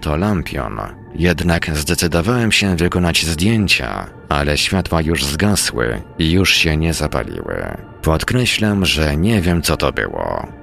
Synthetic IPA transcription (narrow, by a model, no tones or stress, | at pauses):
t̪ɔlampʲjɔ̰n | jɛd̪nakzd̪ɛt̪sɘd̪ɔvawɛmɕɛvɘkɔnad͡ʑzd̪ʲjeɲt͡ɕa̰ | alɛɕfʲjat̪wajuʐzɡaswɘ̰ijuʂɕɛɲɛzapa̰lʲḭwɘ̰ | pɔt̪kɾɛɕlamʐɛɲɛvʲjɛmt̪sɔt̪ɔbɘ̰wɔ